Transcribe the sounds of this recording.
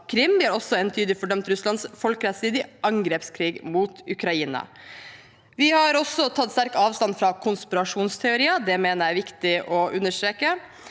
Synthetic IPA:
kʰɾɪmːʋɪhɑɾɔsːɔɛnt̪ʰyːd̪lɪfɔɖœmt̪ɾʉslɑnsfɔlkəɾɛt̪siːd̪ɪʔɑŋɡɾeːpskʰɾiːɡmuːt̪ʉkɾɑiːnɑ̰ | ʋɪhɑɾɔsɔt̪ʰɑt̪ːst̪æɾkɑːʋst̪ɑnfɾɑːkʰʊnspɪɾɑʂuːnst̪ʰɛʊɾiːəd̪ɛmeːnəɾæʋɪkt̪ɪʔɔʔʉnəʂt̪ɾeːkə

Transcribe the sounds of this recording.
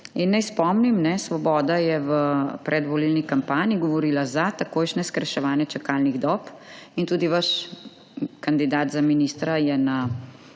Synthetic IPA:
inːɛjspɔmnimnɛsʋɔbɔːd̪ajɛʋəpɾʔɛd̪ʋɔlilnikampaːniiɡɔʋɔɾiːlazat̪akoːjʃnɛskɾɛʃɛʋaːnjɛt͡ʃɛkalniɣd̪ɔp | int̪uːd̪iʋaʃ | kand̪id̪aːt̪zaminist̪ɾajɛna

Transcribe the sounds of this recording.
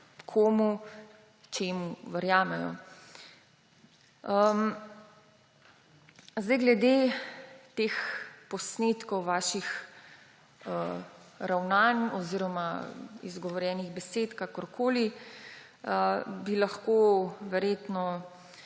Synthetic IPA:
kʰoːmu | t͡ʃeːmuʋɛɾjaːmɛjɔ̰ | ə | zd̪ajɡlɛd̪e | t̪eːxpɔsneːt̪kɔwʋaːʃix | əɾawnanɔziːɾɔmaḭzɡɔʋɔɾjɛːniɣbɛseːt̪kakɔɾkʰoːli | əbilaxkoʋɛɾjeːt̪nɔ

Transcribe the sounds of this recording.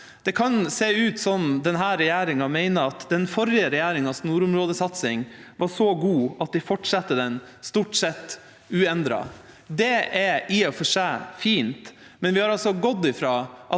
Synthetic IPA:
d̪̥ɛkʰɑnseːʉːt̪sɔmd̪ɛnɦæːɾɛjæːɾɪŋɑmæɪnəɑt̪d̪ɛnfɔɾɪəɾɛjæːɾɪŋɑsnuːɾʊmɾoːd̪əsɑt̪sɪŋʋɑʂɔɡuːɑt̪̚d̪ɪfɔʈʂɑt̪ːəd̪ɛn | st̪uːʈsɛt̪ː | ʉːɛnd̪ɾɑ̰ | d̪ɛʔɛɪɔfɔʂeːfiːnt̪mɛnʋɪhɑɾɑlsɔɡɔd̪ːɪfɾɑːʔɑ

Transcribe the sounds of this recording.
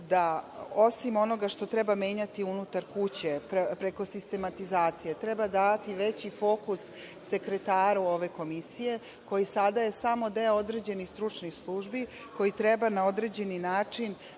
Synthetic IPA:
d̪aosimo̞no̞ɡaʃt̪o̞t̪ɾɛbame̞ːɲat̪iunut̪aɾkut͡ɕeppɾeko̞sist̪e̞mat̪izaːt̪sije̞t̪ɾebad̪aːt̪iʋet͡ɕifo̞ːkusː | e̞kɾet̪aːɾuo̞ʋe̞ko̞misije̞ | ko̞jisad̪aje̞samo̞d̪eod̪ɾe̞d͡ʑe̞nixst̪ɾut͡ʂnixslˠuʒbi | ko̞jit̪ɾe̞banao̞d̪ɾe̞d͡ʑe̞ninaːt͡ʂin

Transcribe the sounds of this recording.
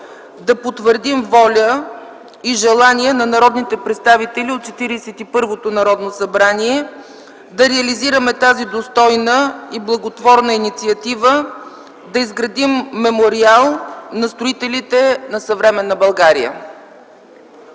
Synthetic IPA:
d̪ɐpot̪vəɾd̪imvɔlʲə | iʒɛlˠaniɛnɐnɐɾɔd̪nit̪ɛpɾɛt̪st̪avit̪ɛliot̪̚t͡ʃɛt̪iɾisɛt̪ipɤɾvot̪onɐɾɔd̪nosɐbɾaniɛ | d̪ɐɾɛɐliziɾəmɛt̪azid̪ost̪ɔjnəiblˠɐɡot̪vɔɾnəinit̪siɐt̪ivə | d̪ɐizɡɾɐd̪imːɛmoɾialˠnɐst̪ɾoit̪ɛlit̪ɛnɐsɐvɾɛmɛnːəbɐlˠɡaɾḭjə̰

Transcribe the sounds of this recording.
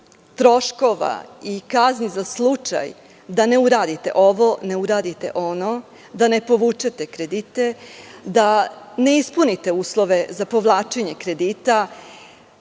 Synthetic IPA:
t̪ɾo̞ʃko̞ʋa̰ikaznizaslˠut͡ʃa̰j | d̪ane̞uɾaːd̪it̪e̞̰ʔo̞ʋo̞ne̞uɾaːd̪it̪e̞̰ʔo̞no̞ | d̪ane̞po̞ʋuːt͡ʃe̞t̪e̞kɾe̞d̪it̪e̞d̪ane̞ispunit̪e̞uːslˠo̞ʋe̞zapo̞ʋlˠaːt͡ʃeɲe̞kɾe̞d̪iːt̪a

